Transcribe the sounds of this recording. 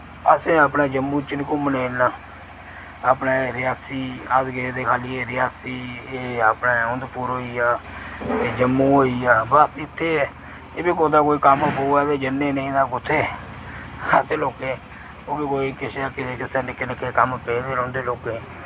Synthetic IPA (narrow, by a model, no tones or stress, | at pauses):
əsẽːaːp̬neːd͡ʒəmːũːt͡ʃənkũːmənẽːnãː | aːpneːɾɪjaːsiːaːsɡeːd̪eːkʰaːliːeːɾɪjaːsiːeːapnaːʊnd̪puːɾɦoːiːaːeːd͡ʒəmːuːɦoːiːaːbəsɪt̪ʰːeː | eːbiːkod̪aːkoːiːkəmpoːaːd̪eːd͡ʒənːẽːnəĩːd̪aːkʊt̪ʰːeː | əseːloːkeː | oːbiːkoːiːkɪsaːkɪkɪseːnɪkɪnɪkːeːkəmpeːd̪eːlõːnd̪eːloːke